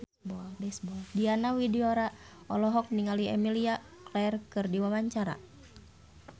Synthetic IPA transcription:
bɔdɛsbɔdianawideoɾa | ɔlɔɦɔk̚niŋaliɛ̰milia | klɛrkɨrdiwawaɲt͡ʃaɾa̰

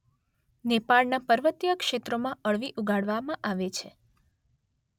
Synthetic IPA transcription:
nepaɭnapəɾʋət̪jəkʃet̪ɾomãʔəɭʋiʔuɡʱaɽʋamãʔaʋet͡ʃʰe

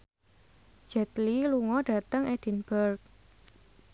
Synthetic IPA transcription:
d͡ʒ̥ɛt̪liluŋɔɖ̥ä̤t̪əŋʔed̥i̤nb̥ərk̚

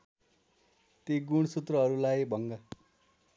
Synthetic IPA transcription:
t̪eɡuɽ̃sut̪rʌɦʌɾulajbʱʌŋɡʌ

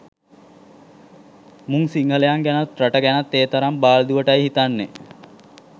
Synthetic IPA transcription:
muŋsiŋəlejaŋɡænat̪raʈəɡænat̪ːeːt̪əɾambaːld̪uʋəʈajɦit̪anːḛ

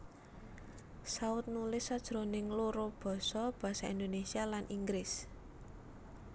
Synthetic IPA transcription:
saʊt̪̚nulɪsːad̥ʒ̥ɾo̤nɪŋloɾob̥ɔ̤sɔb̥a̤saind̪onesialanʔiŋɡɾɪs

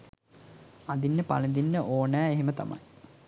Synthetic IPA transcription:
ad̪inːəpa̰ləd̪inːəʔoːnæːeɦemət̪a̰mɐ̰j

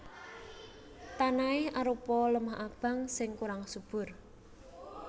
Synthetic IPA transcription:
t̪anaɪhaɾupɔləmaɦʔab̥ä̤ŋsɪŋkuɾaŋsub̥ʊ̤r

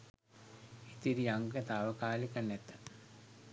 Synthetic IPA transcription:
it̪iɾijaŋɡət̪aːʋəkaːlikanːɛt̪ːə

